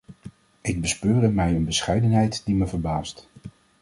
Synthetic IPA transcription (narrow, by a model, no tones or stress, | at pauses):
ɪɡ̚bəspøːrəmɛjənbəsχɛjdənɦɛjtd̥iməvəɹbaːst